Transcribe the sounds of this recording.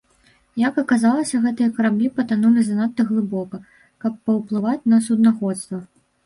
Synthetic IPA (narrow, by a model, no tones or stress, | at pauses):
jɐkɐkazalˠɐsʲɐɣɛt̪ɨjɐkɐɾablʲipɐt̪anulʲizanat̪ːɐɣlˠɨbɔkɐ | kɐpːɐwplˠɨvat͡sʲnɐsud̪naxɔt̪st̪vɐ